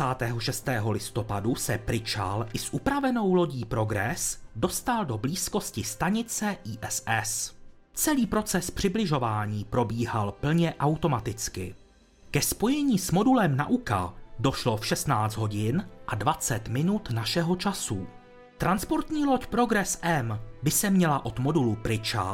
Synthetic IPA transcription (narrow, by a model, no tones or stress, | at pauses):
aːt̪ɛːɦo̞ʃɛst̪ɛːɦo̞lɪst̪o̞padusɛpɾɪt͡ʃa̰lʔɪsʔupɾavɛno̞wlo̞ɟiːpɾo̞ɡɾɛsdo̞st̪aldo̞bliːsko̞scɪst̪aɲɪt͡sɛʔiːʔɛsɛs | t͡sɛliːpɾo̞t͡sɛspr̝̥ɪblɪʒo̞vaːɲiːpɾo̞biːɦalpl̩ɲɛʔawt̪o̞mat̪ɪt͡skɪ̰ | kɛspo̞jɛɲiːsmo̞dulɛmna̰ʔuka̰do̞ʃlo̞fʃɛst̪naːd͡zd̪ɦo̞ɟɪnʔadvat͡sɛt̪mɪnut̪naʃɛɦo̞t͡ʃasu | t̪ɾanspo̞ɾt̪ɲiːlo̞cpɾo̞ɡɾɛsʔɛmbɪsɛmɲɛlaʔo̞t̪mo̞dulupɾɪt͡ʃa̰